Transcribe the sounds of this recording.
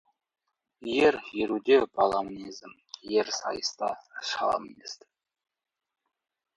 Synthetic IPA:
jeɾjeɾud̪ebɑlˠɑmnizɪm | jeɾsɑ̰jəst̪ɑʃɑlˠɑ̰mnʲḛst̪ɪ

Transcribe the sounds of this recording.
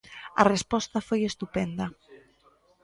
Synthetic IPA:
a̰respɔst̪afojest̪upɛnd̪a

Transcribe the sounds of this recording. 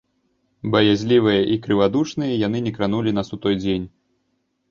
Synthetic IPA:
bɐjazʲlʲivɨjɐʔikɾɨvad̪ut͡ʂnɨjɐjanɨnʲɛkɾanulʲinasut̪ɔjd͡zʲenʲ

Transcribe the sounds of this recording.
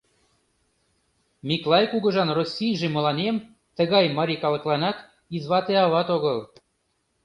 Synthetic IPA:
mʲiklˠɑjkuɣə̆ʒɑnrosʲːijʒemə̆lɑnem | t̪əɣɑjmɑɾʲikɑlə̆klɑnɑt̪ | izβɑt̪eɑβɑt̪oɣəl

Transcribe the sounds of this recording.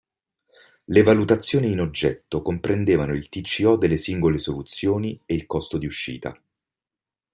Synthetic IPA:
levalut̪at̪sːjoːniːnod͡ʒːɛt̪ːokompɾʔend̪eːvanoilt̪it͡ʃːiɔd̪elːesiŋɡolesolut̪sːjoːnieilkɔst̪od̪iuʃːḭːt̪a̰

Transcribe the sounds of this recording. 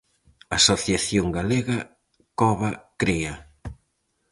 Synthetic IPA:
asoθjaθjoŋɡaleɣa | kɔβakɾea

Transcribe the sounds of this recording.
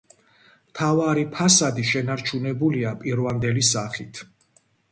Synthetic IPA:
mt̪ʰavaɾipʰasad̪iʃɛnaɾt͡ʃʰunɛbuliapʼiɾvamd̪ɛlisaχit̪ʰ

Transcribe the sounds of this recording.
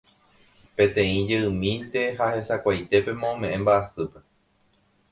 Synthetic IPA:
pẽ̞t̪ẽ̞ĩd͡ʒeɨ̃mĩnt̪e̞ɦahe̞sakʷajt̪e̞pe̞mõõmẽ̞ʔẽmbaʔasɨpe̞

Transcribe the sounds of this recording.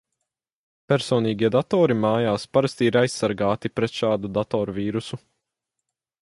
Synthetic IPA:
pʲɛɾsɔːniːɡʲiɛd̪at̪ɔːɾimaːjaːspaɾast̪iiɾajsːaɾɡaːt̪ipɾɛt̪ʃaːd̪ud̪at̪ɔːɾuviːɾusu

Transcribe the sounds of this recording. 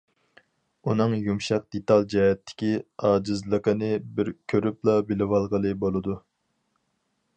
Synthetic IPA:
unɨŋjumʃɑq̚d̪̥et̪ɑlˠd͡ʒɛɦɛt̪ʰːɪ̥kʲiɑːd͡ʒɨzlˠəqənɨbɪɾkʲʰøɾyplˠɑbɪlɪwɑlˠʁəlˠɨbolˠɨd̪u

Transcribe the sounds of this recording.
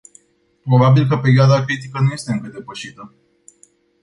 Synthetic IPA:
pɾo̞babilk̬əpe̞ɾʲioad̪akɾit̪ikənuje̞st̪e̞ɨŋkəd̪e̞pəʃit̪ə

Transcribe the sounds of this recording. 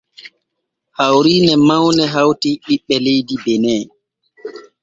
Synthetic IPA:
hawɾiːnɛmawnɛɦawtiɓiɓːɛlejdibɛnɛː

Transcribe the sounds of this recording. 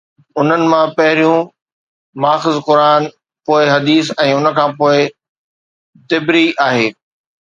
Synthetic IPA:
ʊn̤ənɪ̆mãpɐɦɪɾijũ | maːxɪzqʊɾaːn | poːɪɦɐd̪iːsɛ̃ːʊnə̆kʰãːpoːɪ | t̪ɪbɾiaːɦeː

